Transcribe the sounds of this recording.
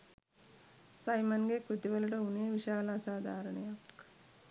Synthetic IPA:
sɐjmɐnɡekɾut̪iʋɐlɐʈɐuneːʋiʃaːlaːsaːd̪ʱaːɾɐɳɐjɐk

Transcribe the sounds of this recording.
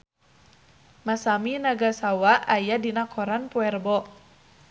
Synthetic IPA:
masaminaɡasawaʔajadinakʰɔɾanpuɛrbɔ

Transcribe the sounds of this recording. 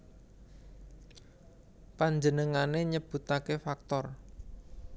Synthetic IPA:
paɲd͡ʒənəŋaneɲəb̥ṳt̪akefak̚t̪ɔr

